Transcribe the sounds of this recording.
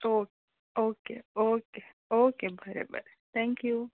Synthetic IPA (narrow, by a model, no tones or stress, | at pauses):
oːke | oːkḛoːke | oːkebʱəɾḛbə̰ɾet̪ʰɛ̃ŋkju